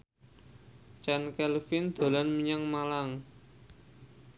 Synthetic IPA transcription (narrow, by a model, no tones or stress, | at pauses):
t͡ʃɛnkɛlfind̪̥o̤lanmiɲaŋmalaŋ